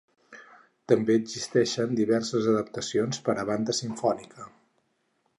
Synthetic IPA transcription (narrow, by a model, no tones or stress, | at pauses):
t̪əmbeəɡzist̪ɛʃənd̪iβɛrsəzəðəpt̪əsionspəɾəβand̪əsiɱfɔnikʰə